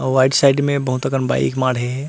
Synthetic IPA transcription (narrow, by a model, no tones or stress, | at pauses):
ʋaɪɖsaɪɖmẽbɐɦut̪əkənba̰ːɪ̰kmaːɽɦeɦɛ